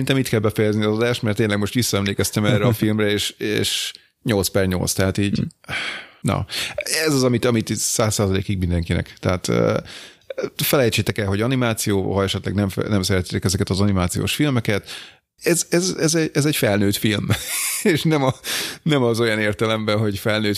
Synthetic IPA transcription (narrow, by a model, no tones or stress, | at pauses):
ɛint̪ɛmiːt̪kɛlbɛfɛjɛzniɒzɒd̪aːʃt̪mɛrt̪ːeːɲlɛɡmo̞ʃt̪ʋisːɒɛmleːkɛst̪ɛmɛːrːɛɒfilmrɛeːʃḛːʃ | ɲo̞lt̪spɛrɲo̞̰lt̪st̪ɛɦat̪iːɟ | nɒ̰ɛzɒzɒmit̪ɒmit̪saːsːaːzɒlḛːkiɡ̚mind̪ɛŋkinɛ̰kt̪ɛɦaːt̪ː | fɛlɛjt͡ʃeːt̪ɛkɛlɦo̞ɟɒnimaːt̪sijoːɦɒɛʃɛt̪lɛ̰ɡnɛmfɛ̰nɛmsɛɾɛt̪eːt̪ɛkɛzɛkɛt̪ɒzɒnimaːt̪sijo̰ːʃfilmɛkɛt̪ | ɛzɛzɛzɛɟɛzɛɟfɛlnøːt̪filmeːʃnɛmɒnɛmɒzo̞jɒneːrt̪ɛlɛmbɛɦo̞ɟfɛlnøːt̪